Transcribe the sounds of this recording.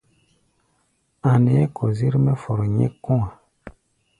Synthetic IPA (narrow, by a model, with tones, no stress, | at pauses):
a˨nɛ˨ɛ˦kɔ˨zi˦ɾmɛ˦fɔ˨ɾɔ˨ɲɛ̰˦kɔ̃˦ã˨